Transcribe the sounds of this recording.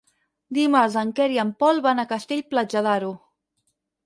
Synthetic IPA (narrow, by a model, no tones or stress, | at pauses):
d̪imaɾzəŋkɛɾiəmpɔlˠβanəkəst̪eʎplad͡ʒaðaɾu